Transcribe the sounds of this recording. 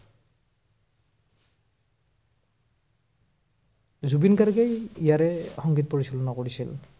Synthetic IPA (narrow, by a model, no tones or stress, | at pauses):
zubinkaɹɡejijaɹɛxɔŋɡitpoɹisɔlɔnakoɹisḭl